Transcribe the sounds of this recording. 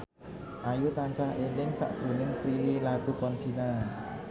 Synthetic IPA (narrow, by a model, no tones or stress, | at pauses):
ʔajut̪aɲt͡ʃahenɪŋsa̰ʔsunɪŋpɾililakupɔnsina